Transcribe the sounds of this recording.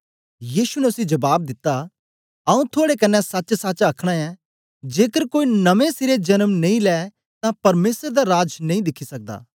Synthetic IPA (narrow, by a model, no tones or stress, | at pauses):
jiːsunɛʊsĩd͡ʒɐbaːb̚d̪ɪt̪ːa | ɐũt̪ʰoːɽekɐnːɛsɐt͡ʃsɐt͡ʃɐkʰɽ̃aɛ | d͡ʒeːkəɾkoːinɐʋẽsɪɾed͡ʒɐnəmnɐĩlɛː | t̪ãpɐɾmeːsɾd̪aɾaːd͡ʒnɐ̃ĩd̪ɪkʰːisɐk̚d̪a̰ː